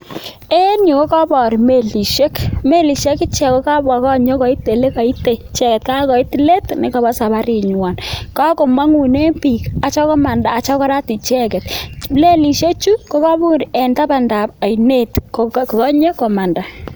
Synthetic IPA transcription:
e˦ni˨ko˦kɔ˦bɔ˨ɾi˨me˨li˨ʃe˦kme˦li˨ʃe˦kɪ˦t͡ʃɛ˨ko˦ka˦ba˨kɔ˦ɲo˦kɔ˨i˦te˨le˦ka˨i˦te˨t͡ʃɛ˦kɛ˨t̚ka˦kɔ˨i˦ti˨le˦tnɪ˨kɔ˨ba˦sa˨ba˦ɾi˨ɲwa˨nka˦ko˨ma˦ŋu˨ne˦mpi˨ka˨t͡ʃɔ˦kɔ˦ma˨ndaː˨t͡ʃɔ˦kɔ˦ɾa˦ti˨t͡ʃɛ˦kɛ˨tle˦li˨ʃe˦t͡ʃu˦ko˦kɔ˦bu˦˨ɾe˨nta˦pa˨nda˨p̚a˨jne˦tkkɔ˨kɔ˦ɲe˦kɔ˨ma˨nda˨

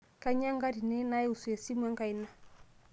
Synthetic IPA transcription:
ka˦ɲa˦ŋɡa˦di˨nɛ˦na˦jɛ˦u˨su˨e˨si˦m˦a˦ŋka˨i˨na˦˨

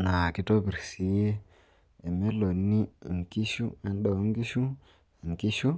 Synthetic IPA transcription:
na˨ki˦to˦bi˨ɾsi˨je˦ | e˨me˦lo˨nːi˦˨ŋki˦ʃu˦e˨nɗo˨˦ŋ˦ɡi˦ʃu˦˨ | ŋki˦ʃu˦

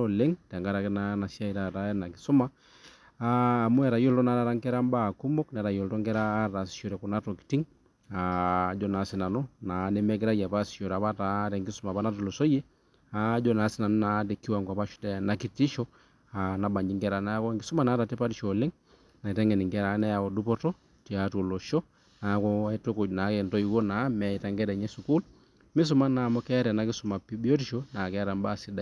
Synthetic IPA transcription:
ɔle˦ŋtɛ˨ŋɡa˦ɾa˨kɛ˦na˦na˨sja˦i˨ɾa˨ta˨˦ɛ˦na˨ki˨su˦ma˦ | aː˦˨mu˦ɛ˨ɾa˨jo˦ltɔ˦na˨˦ɾa˨ɾa˦ŋkɛ˦ɾa˦mba˦˨ku˦mɔ˦knɛ˨ɾa˨jo˨ltɔ˦ŋɡɛ˦ɾaː˦ta˨si̥˨ʃɔ˨ɾɛ˨kɔ˨na˦tɔ˨ki̥ti˦ŋ | a˨d͡ʒɔ˦na˨˦si˨na˨nu˦na˨˦nɛ˦mɛ˦k̬i˦ɾa˦ja˨pa˦˨si̥˨ʃo˨ɾa˨a˦ta˨tɛ˨ŋɡi˦su˨ma˨pa˦na˦tɔ˨lo˨so˦jɛ˦ | a˦d͡ʒɔ˦na˨˦sɪ˦na˨nu˦na˨˦te˨kːi˦wa˨ŋkwa˨pa˦ʃu̥˦tɛ˨na˨ki˦ti˦ʃɔ˦ | a˨na˨ba˨ɲd͡ʒi˦ŋɡɛ˦ɾa˨na˦a˦kɔ˦ŋɡɪ˦su˦ma˦˨naː˨˦ta˨tɛ˦pa˦ti˨ʃo˨lɪ˦ŋ | na˨i˨tɛ˦ŋɡɛ˨ni˨ŋɡɛ˦ɾa˨˦nɛ˦ja˨kɔ˨du˦pɔ˦tɔ˦ | ti˨a˨to˨lo˨ʃɔ˦ | na˨˦kɔ˦i˦to˦ko˨d͡ʒna˨˦kɛ˨ntɔ˦i˨wo˦na˨˦mɛ˨i˨ta˦ŋɡɛ˦ɾɛ˨ɲɛ˦su˨ku˦l | mi˦s̬u˨ma˦na˨mɔ˦kɛ˦a˦ɾɛ˨na˨˦ki˦su˨ma˨pi˦bi˦o˦ti˨ʃo˦na˨kɛ˦ɾa˨mba˦˨si˦da˨

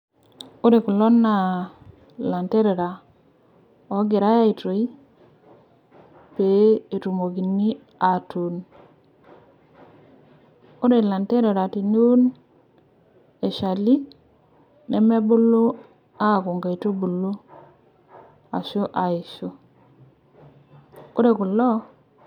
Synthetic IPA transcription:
o˦ɾe˨ku˨lɔ˦nːa˨ | la˨nte˦ɾe˨ɾa˨ | ɔ˨˦ɡɪ˨ɾa˦ja˦i˨to˨i˦ | pe˨e˨tu˨mo˨ki˨ni˦ | a˨tu˨n | o˦ɾe˨la˨nte˦ɾe˨ɾa˨ti˨nu˦n | e˨ʃa˨li˦ | nɛ˨me˦bu˦lu˦ | a˦˨ku˨ŋɡa˨i˨to˦bu˨lu˦ | a̰˨ʃu˦ʔa˨i˨ʃu˦ | o˦ɾe˨ku˨lɔ˦

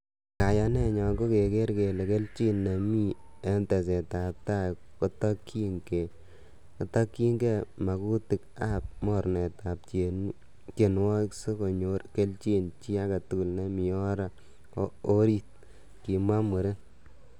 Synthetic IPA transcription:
ka˨ja˨nɛ˦ɲɔ˨ɡo˦ke˨ke˦ɾke˨lɛ˨ke˦lt͡ʃi˦nːa˨mi˦ | ɛ˦ntɛ˨s̬ɛ˨ta˨p̚ta˦˨ | kɔ˦tɔ˦kʰːi˦ŋke˨ | kɔ˨tɔ˦kːi˦ŋɡe˦˨ma˨ku˦ti˨ka˦p̚mɔ˦˨ɾnɛ˨ta˨p̚t͡ʃe˨n | t͡ʃe˨nwɔ˦kso˦ko˨ɲo˦ɾke˦lt͡ʃi˦nt͡ʃi˦a˦ka˨tu˦ku˨lne˦mi˨ɔ˦ɾa˦ | o˦ɾi˦t̚ | ki˨ma˦mu˨ɾe˦

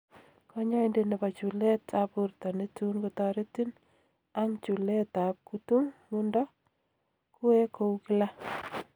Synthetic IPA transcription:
ka˦ɲa˦ɪnde˦ne˨pa˨t͡ʃu˨le˦tʰa˨pu˨rtɔ˨ne˦tu˦nko˦tɔɾe˦ti˦n | a˦ŋt͡ʃu˨le˦ta˨p̚ku˦tu˦ŋmu˦ndɔ˦ | ku˦e˦ko˦ukɪ˦la˦

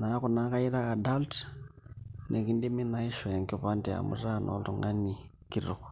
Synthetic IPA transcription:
naː˦ku˨na˦ka˦i˦ɾa˦a˨da˦lt | nʔe˨ki˦ndi˦mi˦na˦i˦ʃɔ˨ja˨ŋkopa˦nde˨a̰˨mṵ˦ra˦˨nʔo̰ltu˨ŋɡa˦ni | kiɾo˨k

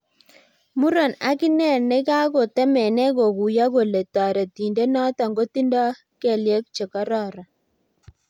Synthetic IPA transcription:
mu˦ɾɔ˨na˦kɪ˦nɛ˦˨nɛ˦ka˦ko˨tɛ˦mɛ˨nɛ˦ɡo˨ɡu˨ja˦ɡo˨le˨ta˨ɾe˨ti˨nde˦nɔ˦tɔ˨ŋɡo˦ti˦ndɔ˦ | kɛ˨lje˦k̚t͡ʃe˨kɔ˦ɾɔ˦˨ɾa˨

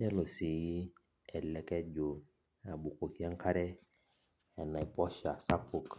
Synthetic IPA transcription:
dɛ˦lo˨si˨i˦ | ɛ˨lɛ˨kɛ˦d͡ʒo˨ | a˨bu˨ko˨ki˦a˦ŋ˦kʰa˦ɾɛ˦ | ɛ˨na˨i˨pɔ˦ʃa˨sa˦ku˨k

